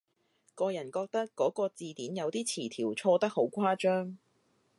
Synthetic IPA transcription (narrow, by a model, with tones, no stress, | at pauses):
kɔː˧jɐ˨˩nkɔː˧k̚t̪ɐ˥kkːɔː˨˥kɔː˧t͡siː˨˧t̪iː˨˥njɐ˨˧wt̪iː˥t͡sʰiː˨˩t̪ʰiː˨˩wt͡sʰɔː˧t̪ɐ˥k̚ho˨˥wkʷʰaː˥t͡ʃœː˥ŋ